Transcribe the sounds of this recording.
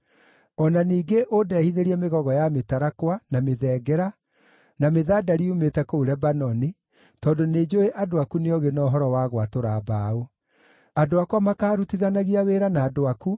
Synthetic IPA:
ɔnaniːɡeʔodɛːhiðeɾiɛmeɣɔɣɔjametaɾakwanameðɛːɡɛɾa | nameðaːdaɾiumetɛkouɾɛbanɔni | tɔːndoned͡ʑoeʔadoakuneɔɣenɔɦɔɾɔwaɣwatoɾaːbaːo | adoakwamakaːɾutiðanaɣiaweːɾanaːdoaku

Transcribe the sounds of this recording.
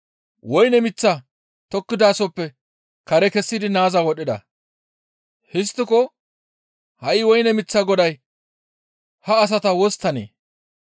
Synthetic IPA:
wɔjnɛmɪt͡sːa | t̪ɔkːɪd̪aːsɔpːɛ | kɐɾɛkɛsːɪd̪ɪnaːzawɔɗːɪd̪ɐ̰ | hɪs̬t̪ːɪkɔ | hɐʔɪwɔjnɛmɪt͡sːɐɡɔd̪ɐj | hɐːs̬ɐt̪ɐwɔst̪ːɐnḛː

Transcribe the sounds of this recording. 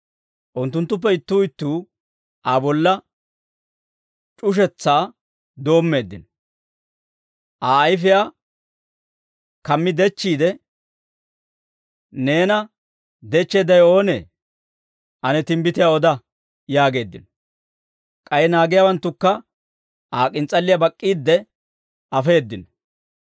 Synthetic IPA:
ʔʊnt̪ːʊnt̪ːʊp̬ːɛɪt̪ːuːɪt̪ːuː | ʔaːbɔlːɐ | t͡ʃʼʊʃ̬ɛt͡sːaː | d̪o̞ːmːe̞ːd̪ːɪnɔ | ʔaːɐjfɪjaː | kɐmːɪd̪ɛt͡ʃːiːd̪ɛ | ne̞ːnɐ | d̪ɛt͡ʃːeːd̪ɐjo̞ːnḛː | ʔɐnɛt̪ɪmbɪt̪ɪjaɔd̪ɐ | jaːɡe̞ːd̪ːɪ̰nɔ | kʼɐjɛnaːɡɪjawɐnt̪ːʊkːɐ | ʔaːkʼɪnt͡sʼɐlːɪjɐbɐkʼːiːd̪ːɛ | ɐfe̞ːd̪ːɪn

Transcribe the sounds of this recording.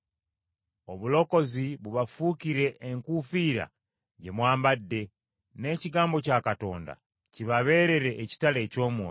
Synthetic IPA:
o̞βulo̞ko̞ziβuβafukiɾe̞ʔːŋkufiːɾa̰ | ɟemwaːmbadːe̞ | ne̞ːciɡaːmbo̞caːkato̞̰ːnda̰ | ciβaβe̞ːɾe̞ɾe̞ʔːci̥tale̞co̞ːmoː

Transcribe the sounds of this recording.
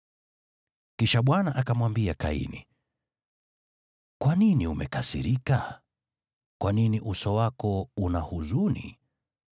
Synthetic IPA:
kiʃaɓwanaʔakamwambiaka̰ḭnḭ | kwaniniumɛ̰kasḭɾika | kwaniniʔusɔwakɔunahuzunḭ

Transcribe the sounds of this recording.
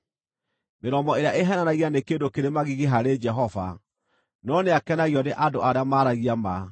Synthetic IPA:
meɾɔmɔeɾeaʔeɦɛnanaɣianekeːdokeɾemaɣiɣeɦaɾed͡ʒɛɦɔva̰ | nɔneakɛnaɣiɔneʔadoʔaɾeamaːɾaɣiama

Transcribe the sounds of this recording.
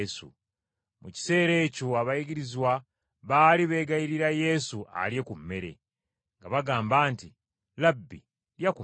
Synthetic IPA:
sṵ | muci̥se̞ːɾe̞ːcoaβajiɡiɾizwa | βaːliβe̞ːɡajiɾiɾaje̞suʔa̰lje̞kumːe̞ɾe̞̰ | ŋɡaβaɡaːmbaːnti | labːi | ɾjaku

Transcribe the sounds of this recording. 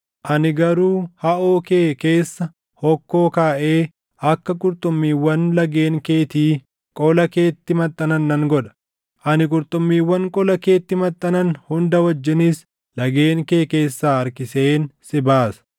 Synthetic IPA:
ʔɐnɪɡɐɾuːhɐʔoːkeːke̞ːsːɐ | hɔkːo̞ːkaːʔe̞ː | ɐkːɐkʼʊɾt̪ʼʊmːiːwːɐnlɐɡe̞ːŋke̞ːt̪iː | kʼɔlɐke̞ːt̪ːɪmɐt̪ʼːɐnɐnːɐŋɡɔᶑɐ̥ | ʔɐnɪk̬ʼʊɾt̪ʼʊmːiːwːɐŋkʼɔlɐke̞ːt̪ːɪmɐt̪ʼːɐnɐnhʊnd̪ɐwɐd͡ʒːɪnɪs | lɐɡe̞ːŋke̞ːke̞ːsːaːɐɾkɪseːnsɪbaːsɐ̥

